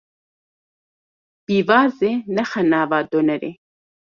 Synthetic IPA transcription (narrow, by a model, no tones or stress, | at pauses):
b̥iːvaːzenɐxɐnaːvaːd̪onɐɾḛ